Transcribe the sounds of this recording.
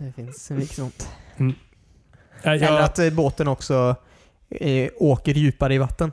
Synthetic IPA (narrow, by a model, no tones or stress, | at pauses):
d̪ɛfɪnsɛnvɪknɔnt̪ | ɛnəɾat̪boːt̪ənɔksɔ | oːkəɾjʉ̟ːpaɾəɪvat̪ːən